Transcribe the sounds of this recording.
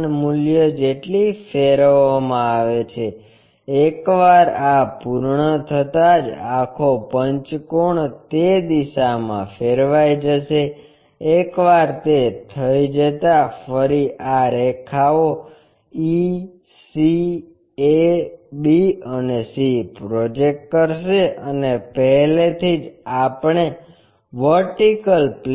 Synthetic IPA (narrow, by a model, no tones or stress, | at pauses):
nmuljəd͡ʒeʈlifeɾʋamãaʋet͡ʃʰe | ekʋaɾapuɾɳət̪ʰət̪ad͡ʒakʰopəɲt͡ʃkoɳt̪ed̪iʃamã̰feɾʋajd͡ʒəʃeː | kʋaɾt̪et̪ʰəid͡ʒət̪afəɾiʔaɾekʰao | i | si | ebiənesipɾod͡ʒek̚ʈ̚kəɾʃeʔənepəɦlet̪ʰid͡ʒapɳ̃e | ʋəɾʈikəlpl